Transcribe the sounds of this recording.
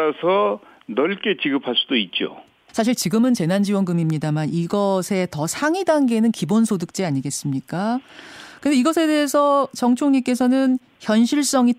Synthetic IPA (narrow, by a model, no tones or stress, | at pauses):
asʰʌnʌɭk͈et͡ɕiɡɯpʰaɭs͈udoit̚t͡ɕ͈o̰ | sʰaɕ̬ʰiɭt͡ɕiɡɯmɯnt͡ɕe̞nand͡ʑiwʌnɡɯmimɲidamaniɡʌsʰe̞tʌsʰaŋidaŋɡe̞nɯnkibonsʰodɯk̚t͡ɕ͈eaɲiɡe̞s͈ɯmɲik͈a | kɯnde̞iɡʌsʰe̞de̞ɦesʰʌt͡ɕʌŋt͡ɕʰoŋɲik͈e̞s̬ʰʌnɯn | çjʌnɕʰiɭs͈ʌŋi